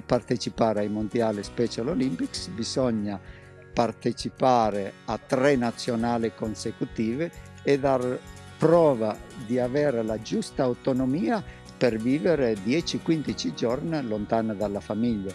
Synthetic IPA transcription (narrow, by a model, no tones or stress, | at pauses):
part̪et͡ʃipaːɾajmund̪jaːlispɛt͡ʃalolimpiksbisɔɲːa | part̪et͡ʃipaːɾeat̪ɾɛnat̪sːjonaːlikonsekut̪iːveː | d̪ar | pɾɔːvad̪iavɛɾlad͡ʒust̪aawt̪onomiːa | peɾviːveɾed̪jɛt͡ʃikwind̪it͡ʃid͡ʒɔrnlont̪and̪alːafamiʎːa